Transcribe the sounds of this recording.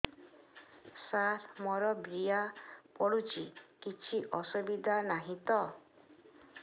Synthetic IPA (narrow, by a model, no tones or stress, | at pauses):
saɾmɔɾɔbɾijapɔɽut͡ʃikit͡ʃʰiʔɔsubid̪ʱanaɦĩt̪ɔ